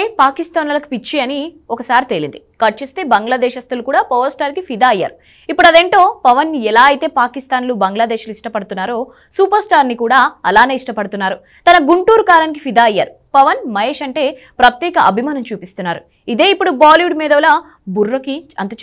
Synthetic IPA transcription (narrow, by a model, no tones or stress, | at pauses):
eːpaːkist̪aːnulɐku̥pit͡ʃːiɐniɔkɐsaːɾit̪elḭnd̪ikɐʈ̚t͡ʃest̪e̞ːbɐŋɡlad̪ɛːʃɐst̪ɐlukuːɽaːpɔʋɐɾsʈaːɾkipʰid̪aːɐjːa̰ːɾu | ipːuɽɐd̪eɳʈo̞ːpɐʋɐniɛlaːɐjit̪e̞ːpaːkist̪aːnluːbɐŋɡlad̪eːʃluiʂʈɐpɐɽut̪unːaːɾo̞ː | suːpɐɾsʈaːɾnikuːɽaːɐlaːne̞ːiʂʈɐpɐɽut̪unːaːɾu | t̪ɐnɐɡuɳʈuːɾkaːɾɐnik̬ifʰid̪aːɐjːa̰ːɾu | pɐʋɐnmɐjeːʃɐɳʈe̞ː | pɾɐt̪jɛːkɐʔɐbʱimaːnɐmt͡ʃuːpist̪unːaːɾu | id̪e̞ːipːuɽubaːliʋuɖmiːd̪ɐʋla | burːɐkiɐnt̪ut͡ʃ